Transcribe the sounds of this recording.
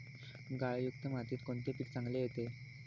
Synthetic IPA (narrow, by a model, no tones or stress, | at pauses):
ɡajjukt̪əmat̪iːt̪koɳt̪epiːkt͡sãŋɡlejet̪e